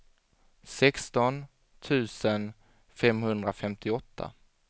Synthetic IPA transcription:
sɛkst̪ɔn | t̪ʰʉ̟ːsən | fɛmhɵnd̪ɾafɛmt̪ʰɪɔt̪ʰːa̰

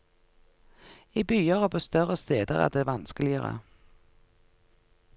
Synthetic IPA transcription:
iːbyːəʁəpʰoːst̪œʁəst̪eːd̪əʁɑ̰t̪̚d̪eːʋɑnskəlɪəːʁə̰

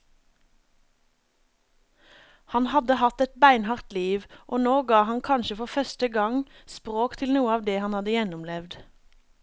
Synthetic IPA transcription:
hɑnhɑd̪əhɑt̪ɛt̪̚bæɪnhɑʁt̪liːʋʔoːnoːɡɑːhɑnkʰɑnʃəfɔʁfœst̪əɡɑŋspʁoːkt̪ʰɪlnuːəɑːʋd̪eːhɑnhɑd̪əjɛnʊmlɛʋd̪

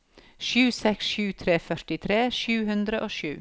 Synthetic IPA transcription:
ʃʉːsɛksʃʉːt̪ʰɾeːfœɾʈɪt̪ʰɾeːʃʉːhʉnd̪ɾəʔoːʃʉː

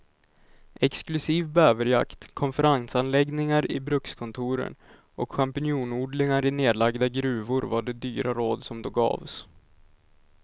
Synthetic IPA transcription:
ʔɛksklɵsiːvbøːvəɾja̰kt̪kʰɔnfɛɾansanlɛɡnɪŋaɾɪbɾɵkskʰɔnt̪ʰuːɾə̰n | ʔɔkɧampɪnjuːnuːɖ̪lɪŋaɾɪneːd̪laɡd̪aɡɾʉ̟ːvʊɾvaɖɛd̪yːɾʔaɾoːd̪sɔmd̪ɔɡɑ̰ːvs

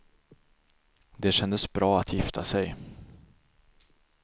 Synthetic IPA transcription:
d̪ɛɕɛnd̪əsbɾɑːat̪ʰjɪft̪ʰasɛj

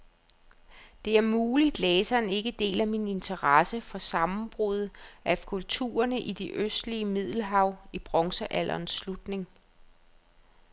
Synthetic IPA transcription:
d̥e̝æɐmuːlid̥leːsɐne̝ɡ̥əd̥e̝̰ːlæmine̝nt͡sʰɐʁɑsəfɒ̽sɑ̈mm̩b̥ʁuð̞ˠʔæfkʰult͡sʰṵːɐnəʔid̥e̝ʔøsd̥liəmið̞̰ˠl̩ɦɑ̈ʊ̰ib̥ʁɒ̽ŋsəʔælʔɐnsːlud̥ne̝ŋ

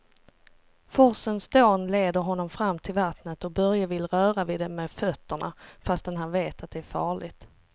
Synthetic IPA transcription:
fɔɾsənsd̪oːnleːd̪əɾɦɔnːɔmfɾamːt̪ʰɪlvat̪nət̪ɔbœɾjavɪlɾœːɾavɪd̪ɛmɛfœt̪ːəɳa̰fast̪ɛnɦanveːt̪at̪̚d̪ɛæɾfɑːɭɪɡt̪

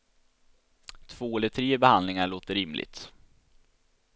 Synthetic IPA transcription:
t̪ʰv̥oːɛlət̪ʰɾeːbɛhand̪lɪŋaɭoːt̪əɾɪmlɪ̰ɡ̚t̪

